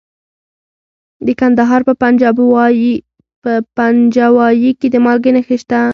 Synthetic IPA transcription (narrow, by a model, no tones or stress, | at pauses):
d̪əkand̪aɦɑɾpəpand͡ʒɑb | pəpand͡ʒɑwɑjiked̪əmɑlɡənexeʃt̪a